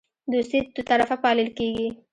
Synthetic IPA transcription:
d̪ost̪id̪ət̪aɾafapɑləlkeɡi

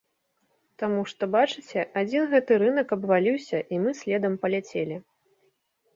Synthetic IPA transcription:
t̪amuʂt̪ɔbat͡ʂɨt͡sʲɛʔad͡zʲinɣɛt̪ɨɾɨn̪ɐkɐbvalʲiwsʲɐʔimɨsʲlʲɛd̪ɐmpɐlʲat͡sʲelʲi

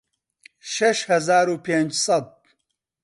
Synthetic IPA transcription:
ʃɐʃhɐzaːɾuːpeːnd͡ʒsɐd̪̚

